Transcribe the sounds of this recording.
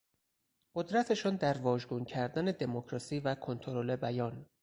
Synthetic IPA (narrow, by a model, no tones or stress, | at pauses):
ɢ̥o̞d̪ɾæt̪ʰe̞ʃɔnd̪æɾvɒːʒɡuncʰæɾd̪æned̪e̞mocʰɾɒːsiːvækʰo̞nt̪ʰo̞ɾole̞bæjɒːn